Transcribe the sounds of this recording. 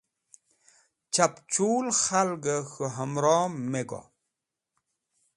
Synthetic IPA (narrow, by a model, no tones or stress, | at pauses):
t͡ɕapt͡ɕuːlxalɡəxuɦamɾɔmːeɡo̰